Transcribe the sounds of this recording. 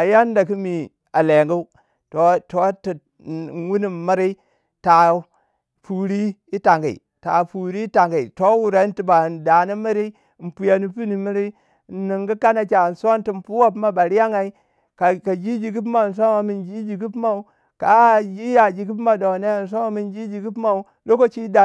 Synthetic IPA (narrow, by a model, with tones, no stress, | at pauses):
a˨ja˦n˦da˨ki˦mi˨ | a˨le˨ŋɡu˦u˦ | to˨to˨˦ti˨ | wu˦ni˨m˨mə˦ɾi˦ | ta˨˦ | fu˨ɾi˦i˦ta˨ŋɡi˨ḭ˨ | ta̰˨fu˨ɾi˦ta˨ŋɡi˨i˨to˦wu˨ɾa˦n˦ti˨ba˨n˨da˨ni˦mi˦ɾi˦˨ | n̩˨pu˨ja˨ni˨pi˦ni˨mi˦ɾi˦ | n˨ni˨ŋɡi˦ka˦na˨t͡ʃa˨n̩˨so˦n˦ti˨m˨pu˦wa˦p̬ma˦ba˨ɾi˦ja˦ŋa˨i˦ | ka˨ka˨d͡ʒi˦d͡ʒi˨ɡi˦pma˨n̩˨s̬o˦ma˨mi˨nd͡ʒi˦d͡ʒi˨ɡi˦pma˦u˦ | ka˨d͡ʒi˦ja˨d͡ʒi˨ɡi˦p̬ma˦do˨ne˦˨n̩˨s̬o˦ma˦mi˨nd͡ʒi˦d͡ʒi˨ɡi˦pma˦u˦ | lo˦ko˦t͡ʃi˦da˨